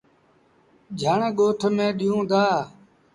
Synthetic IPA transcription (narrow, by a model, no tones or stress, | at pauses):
d͡ʒʱaɳeɠoːʈʰmẽːɗijũːd̪aː